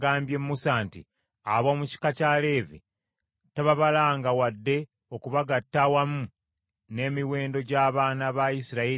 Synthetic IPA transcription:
ɡaːmbje̞mːusantḭ | aβomuci̥kacale̞ːvḭ | taβaβalaːŋɡawadːe̞ | okuβaɡatːawamu | ne̞ːmiwe̞ːndo̞ɟaːβaːnaβajisiɾai

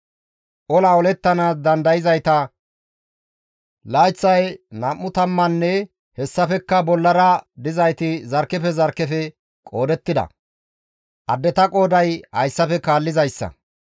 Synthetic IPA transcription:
ʔɔlaɔlɛt̪ːɐnaːsd̪ɐnd̪ɐjɪzɐjt̪ɐ | laːjt͡sːɐjnɐmːʊt̪ɐmːɐnːɛ | hɛsːɐfɛkːɐbɔlːɐɾɐd̪ɪzɐjt̪ɪzɐɾkːɛfɛzɐɾkːɛfɛ | kʼo̞ːd̪ɛt̪ːɪd̪ɐ̰ | ʔɐd̪ːɛt̪ɐkʼo̞ːd̪ɐjhɐjsːɐfɛkaːlːɪzɐjsːɐ̰

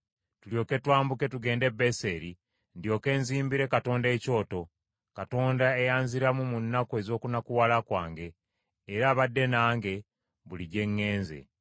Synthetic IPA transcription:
tuljo̞ːke̞twaːmbuke̞tuɡe̞ːnde̞be̞seɾi | ndjo̞ːke̞ːnziːmbiɾe̞kato̞ːnde̞ːco̞ːto̞ | kato̞ːndaejaːnziɾamumunːakue̞zo̞ːkunakuwalakwaːŋɡe̞ː | ɾaːβadːe̞naːŋɡe̞ | βuliɟe̞ŋːe̞ːnze̞̰

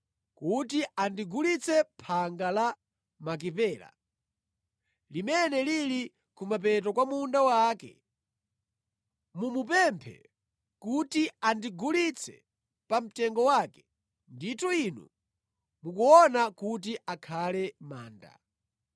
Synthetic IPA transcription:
kutiandiɡulit͡sɛpʰaŋɡala | mak̬ipɛːla̰ | limɛnɛlili | kumap̬ɛt̬ɔkwamundawaːkɛ̰ | mumupɛmpʰɛ̰ | kutiandiɡulit͡sʰɛ̰ | pam̩tɛŋɡɔwaːkɛ̥ | nditɔinṵ | muk̬uɔnakut̬iʔakʰalɛmaːnda̰

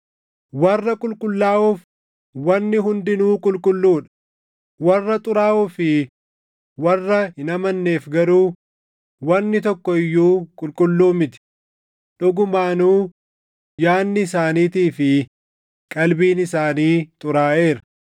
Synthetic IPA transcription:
wɐrːɐkʼʊlkʼʊlːaːʔuːf | wɐnːɪɦʊnd̪ɪnuːkʼʊlkʼʊlːuːᶑɐ̥ | wɐrːɐt̪ʼʊɾaːʔuːfɪ | wɐrːɐhɪnɐmɐnːe̞ːfɡɐɾuː | wɐnːɪt̪ɔkːɔɪjːuːkʼʊlkʼʊlːuːmɪt̪ɪ̥ | ᶑʊɡʊmaːnuː | jaːnːɪːsaːniːt̪iːfɪ | kʼɐlbiːnɪsaːniːt̪ʼʊɾaːʔe̞ːɾɐ̥

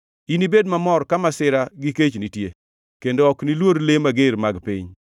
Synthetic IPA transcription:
inibedmamɔɾkamasɪɾaɡiket͡ʃnitje | kendoɔknilwoɾlemaɡeɾmaɡpḭɲ

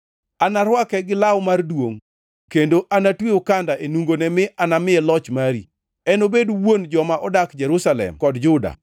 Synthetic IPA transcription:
anaɾwakɛɡɪlawmardwoŋ | kendoʔanatwiʊkandaʔenuŋɡonɛmɪʔanamɪɛlɔt͡ʃmaɾi | ɛnobedwond͡ʒɔmaʔɔdakd͡ʒɛɾusalɛ̰mkɔdd͡ʒʊda̰

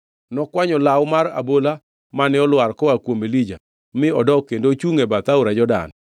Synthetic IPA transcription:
nɔkwaɲɔlawmaɾa̰bola | manɪɔlwarkɔakwomelid͡ʒa | mɪɔdɔkendot͡ʃuŋebat̪auɾad͡ʒɔda̰n

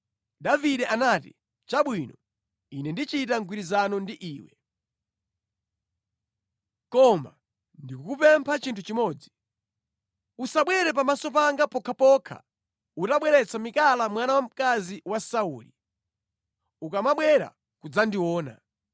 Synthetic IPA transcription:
daviɗɛʔanaːtḭ | t͡ʃaɓwinɔ | inɛndit͡ʃitaŋɡwiɾizanɔndiʔiːwɛ | kɔma̰ | ndikukupɛmpʰat͡ʃintʰut͡ʃimɔːd͡zi | usaɓwɛɾɛp̬amasɔp̬aŋɡapɔkʰapɔkʰa̰ | utaɓwɛɾɛt͡sʰamikalamwanawam̩kaziwasaṵːlḭ | ukamaɓwɛɾa̰ | kud͡zandiwɔːna̰

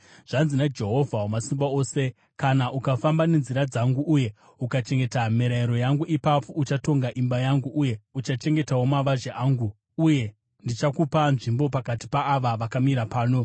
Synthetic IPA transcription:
ʐ̥anzinad͡ʒe̞ɦo̞vʱawomasimbao̞ːse̞ | kanaʔukafambane̞nziɾad͡zaŋɡuʔuje̞ | ukat͡ʃe̞ŋɡe̞tameɾaiɾo̞jaŋɡuʔipap͡fout͡ʃato̞ŋɡaʔimbajaŋɡuʔuje̞ut͡ʃat͡ʃe̞ŋɡe̞tawo̞maʋaʒeʔaːŋɡu | uje̞ | ndit͡ʃakupanʐimbo̞p̬akati̥paːʋaʋakamiɾapaːno̞

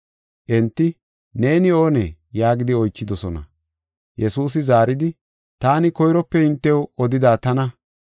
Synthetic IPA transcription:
ʔɛnt̪ːɪ | ne̞ːnɪo̞ːnɛjaːɡɪd̪ɪɔjt͡ʃːɪd̪ɔsɔnɐ̰ | jɛsuːs̬ɪzaːɾɪd̪ɪ | t̪aːnɪkɔjɾɔpːɛɪnt̪ːɛwɔd̪ɪd̪aːt̪ɐnɐ

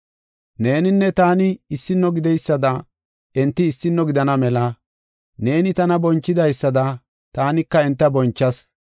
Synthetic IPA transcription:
ne̞ːnɪnːɛt̪aːnɪːsːɪnːɔɡɪd̪ɛjsːɐd̪ɐ | ɛnt̪ːɪːsːɪnːɔɡɪd̪ɐnɐmɛlɐ | ne̞ːnɪt̪ɐnɐbɔnt͡ʃːɪd̪ɐjsːɐd̪ɐ | t̪aːnɪkːɐɛnt̪ːɐbɔnt͡ʃːɐs

